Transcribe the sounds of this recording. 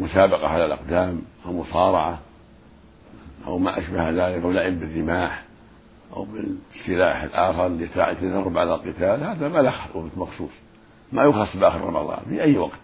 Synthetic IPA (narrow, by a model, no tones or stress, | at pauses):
mʊsaːbɑqɑʕalalʔɑ̰qd̪aːmʔawmʊsˤɑːɾˤɑʕa | ʔa̰wmaʔaʃbahðaːlɪkablaʕɪmbɪrːɪmaːħ | ʔa̰wbɪsːɪlaːħɪ̰lʔaːxɑɾˤlt̪a̰ʕt̪ːad̪ɑrˤːɑbʕalalqɪt̪aːlhaːðamalaxɑʔʊɣt̪mɑxsˤṵːsˤ | majʊxɑsˤːbʔaːxəɾrˤɑ̰mɑ̰ðˤɑ̰ːnfḭʔajːwɑqt̪